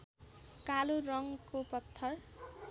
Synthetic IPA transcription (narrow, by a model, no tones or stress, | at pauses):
kaluɾʌŋkopʌt̪ʰːʌr